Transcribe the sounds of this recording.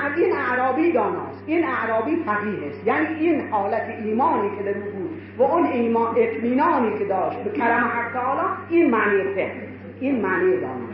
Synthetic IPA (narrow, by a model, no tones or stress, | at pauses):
æziːnaʔɾɒːbiːd̪ɒːnɒ̰ːst̪ʔiːnaʔɾɒːbiːfæɣiːɦest̪jæːniːiːnhɒːlæt̪ʰeʔiːmɒːniːkʲʰed̪æɾuːbuːd̪ | væoniːmɒːʔet̪ʰmiːnɒːniːkʰed̪ɒːʃt̪̚bekʲʰæɾæmhæst̪ːæɒːlɒːiːnmaːniːjefehl | ʔiːnmaʔniːjed̪ɒ̰ːnɒ̰ːs